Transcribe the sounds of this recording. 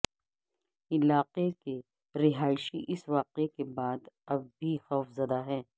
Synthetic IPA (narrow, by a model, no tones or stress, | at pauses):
ɪlaːqeke | ɾɪɦaːɪʃiʔɪsʋaːqekebaːd̪ɐbbʱixɔːfzɐd̪aɦɛː